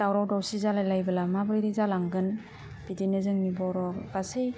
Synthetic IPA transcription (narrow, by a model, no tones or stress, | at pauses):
d̥awɾawdawsizalajlajbɯlamabɾiɾizalaŋɡɯn | b̥idinɯzɯŋnibɔɾɔkasij